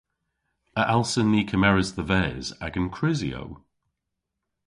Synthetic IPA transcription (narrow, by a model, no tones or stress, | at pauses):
əʔalˠsənːiːkʰəmɛɹəzðəvɛːza̰ɡə̃nkʰɹ̥ɪzio̰w